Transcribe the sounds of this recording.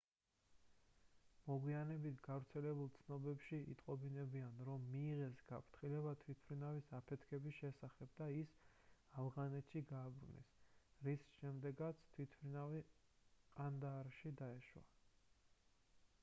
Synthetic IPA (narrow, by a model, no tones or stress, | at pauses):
mɔɡwianɛbit̪ʰɡavɾt̪sʰɛlɛbulˠt̪sʰnɔbɛpʃiʔḭt̪ʼqʼɔbinɛbianɾɔmːiːʁɛsɡapʰɾt̪ʰχilɛβat̪ʰwit̪ʰmɾinavisapʰɛt̪ʰkʰɛbisʃɛsaχɛb̚d̪aisafʁanɛt̪ʰʃiɡaːbɾṵnɛ̰sɾisʃɛmd̪ɛɡat̪sʰt̪ʰwit̪ʰpɾinavi | qʼand̪aɾʃid̪aɛʃwa̰